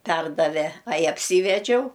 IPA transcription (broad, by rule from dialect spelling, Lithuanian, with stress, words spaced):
ˈpʲɛrdɐʋʲɛ ɐɪ ɐpʲˈsʲiːʋʲɛd͡ʒʲɛʊ